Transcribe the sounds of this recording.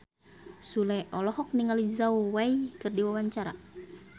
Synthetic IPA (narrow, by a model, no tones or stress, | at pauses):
sulɛʔɔlɔhɔk̚niŋalizauwaikɨrdiwawaɲt͡ʃaɾa̰